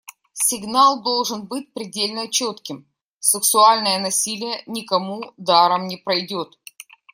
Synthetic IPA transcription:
sʲɪɡnalˠd̪o̞lˠʐɨnbɨtʲpɾʲɪdʲelʲnət͡ɕot̪kʲɪm | sɨksʊalʲnəjənɐsʲilʲɪjənʲɪkɐmud̪aɾəmnʲɪpɾɐjdʲo̞t̪

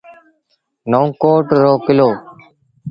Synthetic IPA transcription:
noũːkoːʈɾoːkɪloː

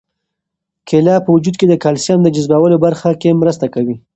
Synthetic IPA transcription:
kʰelɑpəwʊd͡ʒud̪ked̪əkalsjɑnd̪əd͡ʒʊzbawəlobaɾxakemɾəst̪akawi

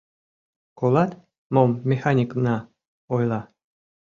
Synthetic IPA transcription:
kolɑt̪ | momːʲexɑnʲiknɑ | ojlˠɑ

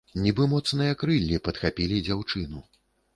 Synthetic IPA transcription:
nʲibɨmɔt̪snɨjɐkɾɨlʲːipɐt̪xapʲilʲid͡zʲawt͡ʂɨnu

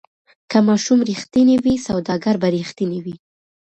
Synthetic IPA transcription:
kamɑʃumɾixt̪inewisawd̪ɑɡaɾbaɾixt̪iniwi

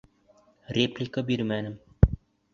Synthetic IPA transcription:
rʲeplʲikəbiɾmænɘm

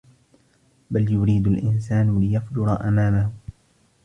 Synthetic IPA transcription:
baljʊɾiːd̪ʊlʔɪnsaːnlɪjafd͡ʒʊɾˤɑʔamaːmahʊ

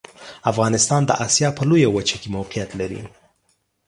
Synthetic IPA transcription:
afɣɑnɪst̪ɑnd̪ə̰ʔɑsjɑpəlojawat͡ʃakemawqijat̪laɾḭ

